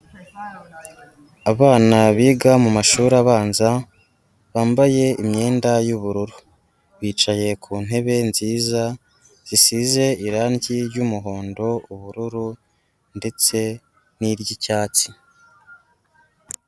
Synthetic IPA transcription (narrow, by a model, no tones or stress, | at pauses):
aβaːnaβiːɡamumaʃuːɾaβaːnza | βaːmbaje̞imɲe̞ːndajuβuɾuɾu | βiːt͡ʃaje̞kʰuːn̥e̞βe̞nziːza | z̥isize̞iɾaːnɟiɾjumuɦo̞ːndo̞uβuɾuɾu | nde̞t͡se̞ | niɾɟicaːt͡si̥